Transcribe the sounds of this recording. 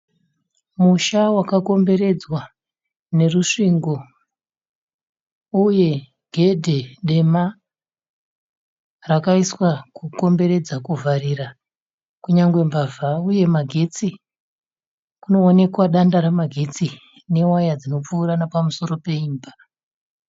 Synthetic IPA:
muʃawakako̞mbe̞ɾe̞d͡zwa | ne̞ruʂiŋɡo̞ | uje̞ | ɡ̥ʱe̞dʱe̞ɗe̞ma | rakaiswakuko̞mbe̞ɾe̞d͡zakuvaɾiɾa | kuɲaŋɡwe̞mbavauje̞maɡʱe̞t͡si | kuno̞ːne̞kwaɗandaɾamaɡʱe̞t͡si | ne̞wajad͡zino̞p͡fuːɾanapamuso̞ɾo̞pe̞iːmba

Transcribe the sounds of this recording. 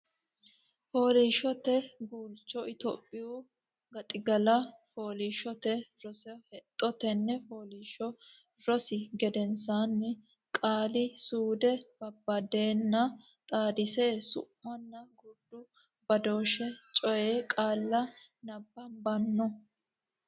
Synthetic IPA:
foːliːʃɔt̪ɛɡuːlt͡ʃːɔɪt̪o̰ːpʼːɪʊ | ɡɐt̪ʼɪɡɐlɐfo̞ːliːʃɔt̪ɛɾɔsɛhɛt̪ʼːɔt̪ɛnːɛfoːliːʃɔ | ɾɔsɪɡɛd̪ɛnsaːnːɛ | kʼaːlɪsuːd̪ɛb̥ɐbːɐd̪eːnːɐ | t̪ʼaːd̪ɪsesʊ̰mːɐnːɐɡʊd̪ːʊ | bɐd̪o̞ːʃɛt͡ʃʼɔjeːkʼaːlːɐnɐbːɐnbɐnːɔ

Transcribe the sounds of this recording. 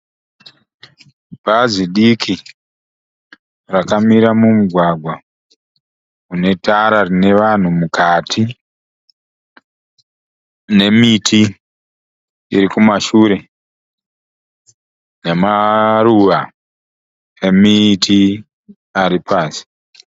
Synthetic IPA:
bʱaziɗikʰi | rakamiɾamumuɡʱwaɡʱwa | une̞taɾarine̞ʋan̤umukʰatʰi | ne̞mitʰi | iɾikumaʃuːɾe̞ | nemaruʋa | emitʰi | aɾipʰaːsi̥

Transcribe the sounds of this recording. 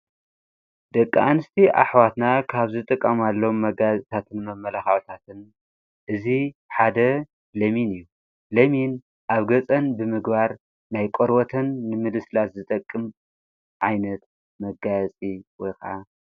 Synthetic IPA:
d̪ɐkʼːa̰anɨst̪ʰiʔa̰ħwat̪nakʰaβzɨt̪ʼɨkʼːɐmalːɐomːɐɡazʼt̪ʰat̪ʰɨnmɐmːɐlaxaʕt̪ʰat̪ʰɨn | ʔɨziħad̪ɐ | lɐminɨjːu | lɐmin | ʔaβɡɐt͡sʼɐnbɨmɨɡbaɾ | najkʼoɾwot̪ʰɐnːɨmɨlɨslaszɨt̪ʼɐkʼːɨm | ʕajnɐt̪̚ | mɐɡajt͡sʼiwɔjkʰɐʕa

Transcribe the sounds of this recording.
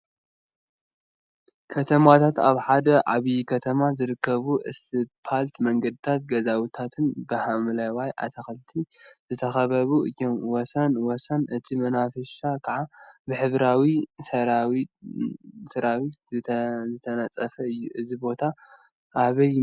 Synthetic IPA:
kʰɐt̪ʰɐmat̪ʰat̪a̰βħad̪ɐʔa̰βikʰɐt̪ʰɐmazɨɾɨkʰːɐβuʔɨsɨpʰalt̪mɐŋɡɐd̪ɨt̪ʰat̪̚ɡɐzawit̪ʰat̪ʰɨnbɐhamlɐwajʔa̰t̪ʰɐxɐlt̪ʰizɨt̪ʰɐxɐβɐβuʔɨjːo̞mwɔsɐnwɔsɐnʔɨt̪ʰimɐnafɐʃakʰaʕabɨħɨβɾawisɐ | sɨɾawit̪zɨt̪ʰɐnɐt͡sʼɐfɐɨjːuʔɨzibo̞t̪ʰa | ʔaβɐj

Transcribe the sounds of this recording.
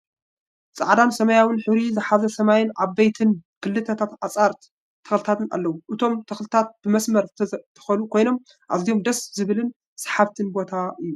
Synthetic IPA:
t͡sʼa̰ʕd̪ansɐmɐjawɨnħɨβɾizɨħazɐsɐmajɪnʔaβbejt̪ʰɨnkʰɨlːɨt̪ʰɐt̪ʰat̪at͡sʼaɾt̪ | t̪ʰɐ̥xlɨt̪ʰat̪ʰɨna̰lːɐwuʔɨt̪ʰo̞mt̪ʰɐxlɨt̪ʰat̪̚b̥ɨmɐsmɐɾt̪ʰɐ̥xɐnukʰo̞jno̞m | ʔa̰zijo̞md̪ɐszɨβɨlɨn | sḁħaβt̪ʰɨnbo̞t̪ʰaʔɨjːu

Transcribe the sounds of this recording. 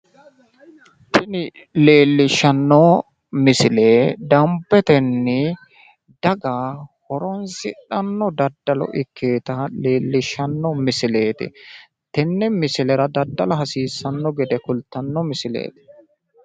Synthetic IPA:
t̪ɪnɪ | le̞ːlːɪʃːɐnːɔ | mɪsɪleːd̪ɐmpːɛt̪ɛnːɪ | d̪̥ɐɡaːhɔɾɔnsɪᶑɐnːɔd̪ɐd̪ːɐlɔ̰ʔɪkʰːeːt̪ɐle̞ːlːɪʃːɐnːɔmɪsɪle̞ːt̪ɪ̰ | t̪ɛnːɛmɪsɪlɛɾɐd̪ɐd̪ːɐlɐɦɐsiːsːɐnːɔɡɛd̪ɛkʊlt̪ːɐnːɔmɪsɪlḛːt̪ɪ̥

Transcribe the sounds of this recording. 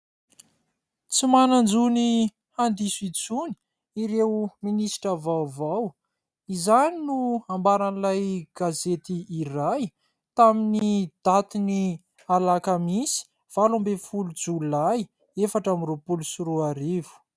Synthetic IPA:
t͡simanand͡zuni | hand̪isit͡suni̥ | iɾewminisi̥ʈ͡ʂavawvaw | izaninuambaɾanlajɡ̥azet̪iːraj | t̪aminid̪̥at̪ini | alakamisi̥ | v̥alambefulud͡zullaj | efaʈ͡ʂamirupulusuɾuaɾivu̥

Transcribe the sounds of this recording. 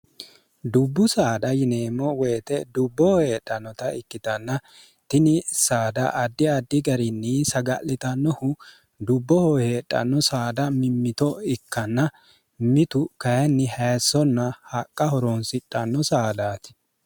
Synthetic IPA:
d̪ʊbːʊsaːd̪ɐjɪneːmːɔwɛjt̪ɛd̪ʊbːɔhɔhe̞ːᶑʼːɐnːɔt̪ɐɪkːɪt̪ɐnːɐ | t̪ɪnɪsaːd̪ɐ̰ʔɐd̪ːɪɐd̪ːɪɡɐɾɪnːɪsɐɡɐ̰lːɪt̪ɐnːɔhʊ | d̪ʊbːɔhɔhe̞ːtʼːɐ̰nːɔsaːd̪ɐmɪmːɪt̪ɔɪkːɐnːɐ | mɪt̪ʊkɐjɛnːɪhɐjsːɔnːɐhɐkʼːɐhɔɾɔnsɪtʼːɐnːɔsaːd̪aːt̪ɪ̥

